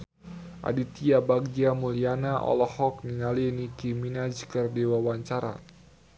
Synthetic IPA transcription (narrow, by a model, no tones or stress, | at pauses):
ʔa̰dit̪iabaɡiamulianaʔɔ̰lɔhɔk̚niŋalinikiminad͡ʒkərdewawaɲt͡ʃaɾa̰